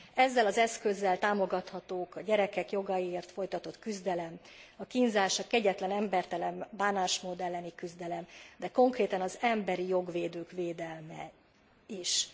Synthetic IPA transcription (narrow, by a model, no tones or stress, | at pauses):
ɛzːɛlɒzɛskø̞zːɛlt̪aːmo̞ɡɒt̪hɒt̪oːkɒɟɛɾɛkɛkjo̞ɡɒjieːrt̪fo̞jt̪ɒt̪o̞t̪kyzd̪ɛlɛm | ɒkinzaːʃɒkɛɟɛt̪lɛnɛmbɛrt̪ɛlɛmbaːnaːʃmod̪ɛlːɛnikyzd̪ɛlɛmd̪ɛko̞ŋkreːt̪ɒnɒzɛmbɛɾijo̞ɡʋeːd̪øːkʋeːd̪ɛlmɛ̰ | iʃ